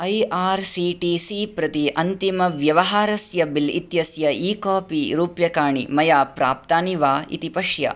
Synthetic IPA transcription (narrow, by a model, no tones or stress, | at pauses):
ɐjaːɾsiːʈisipɾɐt̪iʔɐnt̪imɐʋjɐʋɐɦaːɾɐsjɐbilit̪jɐsjɐiːkaːpiɾuːpjɐkaːɳḭmɐjaːpɾa̰ːp̚t̪aːniʋaːḭt̪ipɐʂjɐ̰